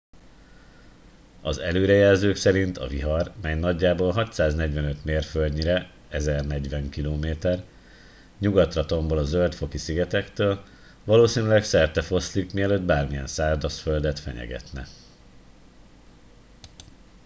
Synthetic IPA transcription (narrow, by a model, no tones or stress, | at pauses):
ɒzɛløːɾɛjɛlzøːksɛɾint̪ʰɒ̰viɦɒrmɛjnɒɟːaːboːlɦɒc̪saːznɛɟvɛnøt̪meːrføldɲiɾɛ | ɛzɛrnɛɟʋɛŋkiloːmeːt̪ɛr | ɲuɡɒt̪rɒt̪o̞mbolɒzøld̪t̪fo̞kisiɡɛt̪ɛkt̪øːl | vɒloːsiːnylɛksɛrt̪ɛfo̞slikmiɛløːd̪baːrmijɛ̰nsaːrd̪ɒsføld̪ɛt̪fɛ̰ɲɛ̰ɡɛ̰t̪nɛ̰